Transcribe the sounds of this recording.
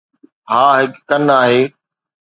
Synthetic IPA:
ɦaːɦɪkːɐnaːɦeː

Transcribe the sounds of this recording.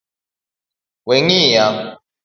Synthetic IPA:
weŋijaŋ

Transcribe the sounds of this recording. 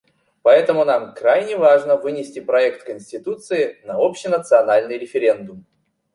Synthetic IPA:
pɐɛt̪əmʊnamkɾajnʲɪvaʐnəvɨnʲɪsʲtʲɪpɾɐɛkt̪kənʲsʲtʲɪt̪ut̪sɨɪnɐopɕɪnət̪sɨɐnalʲnɨjɾʲɪfʲɪɾʲe̞nd̪ʊm

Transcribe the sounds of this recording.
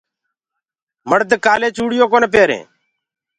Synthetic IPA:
məɽt̪̬ekaːleːt͡ʃuːɽɪjoːkoːneːp̬eːɾḛ̃ː

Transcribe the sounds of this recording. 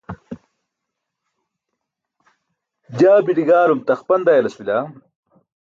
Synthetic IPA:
d͡ʑaːbiʈiɡaːlumt̪ɐxpɐnd̪aːjɐlɐswila

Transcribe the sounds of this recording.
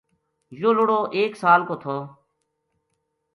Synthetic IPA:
joːloɽoːʔeːksaːlkoːt̪ʰoː

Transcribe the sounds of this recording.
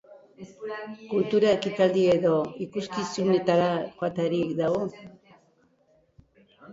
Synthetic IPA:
kult̪uɾaekit̪ald̪ie̞ðo̞ikuskisune̞t̪aɾaxoat̪aɾikd̪aɣo

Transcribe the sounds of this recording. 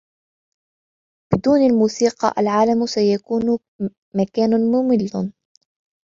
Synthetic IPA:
b̥ɪd̪uːnalmuːsiːqɑ̰ʔa̰lʕaːlamsajakuːn | makaːnʊmʊmɪlːn

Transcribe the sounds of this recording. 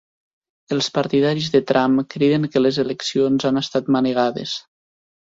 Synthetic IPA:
əlˠspaɾt̪iðaɾizðət̪ɾʔamkɾeðəŋkəlezeleksionzanəst̪at̪məneɣ̞aðḛs

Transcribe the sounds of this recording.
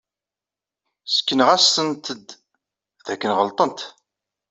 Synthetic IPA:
sə̥kːənəʁæsːənt̪əd̪ | ðækːənʁəlt̪ˤənt̪

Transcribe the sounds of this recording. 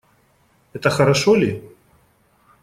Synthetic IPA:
ɛt̪ɐxɐɾaʂɔlʲi

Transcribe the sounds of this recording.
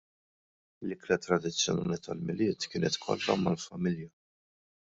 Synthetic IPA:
lɪklɐt̪ɾɐd̪ɪt͡sːjɔnɐːnɪt̪ɐlmɪlɪːt̪kɪːnɛt̪kʰɔ̰lːɐ̰mɐlfɐmɪljɐ

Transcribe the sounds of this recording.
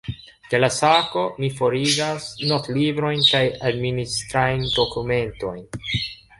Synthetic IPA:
d̪̥e̞lasako̞mifo̞ɾiɡasno̞tlibɾo̞jnkajadministɾajndo̞kume̞nto̞jn

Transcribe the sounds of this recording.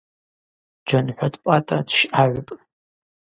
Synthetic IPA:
d͡ʒanħʷadpʼatʼadʃaʕʷpʼ

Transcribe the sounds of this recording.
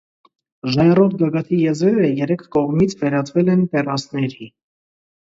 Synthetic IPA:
ʒɑjɛrɔʁɡɑɡɑt̪ʰijɛzɛɾəjɛɾɛkʰkɔʁmit͡sʰvɛɾɑt͡sʰvɛlɛnt̪ɛrɑsnɛɾi

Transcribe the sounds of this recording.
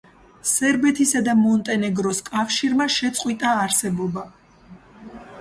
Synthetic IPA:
sɛɾbɛt̪ʰisad̪amɔnt̪ʼɛnɛɡɾɔskʼafʃiɾmaʃɛt̪sʼqʼwit̪ʼaːɾsɛbɔba

